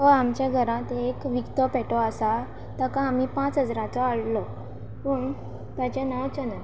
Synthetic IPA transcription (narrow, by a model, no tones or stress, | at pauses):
ɦoamt͡ɕjaɡʱəɾãt̪ekʋikt̪ɔpɛʈɔasa | t̪akãamipãt͡sɦəd͡zɾãt͡sɔaɽlɔ | pəɳ | t̪at͡ɕenawt͡ɕənət̪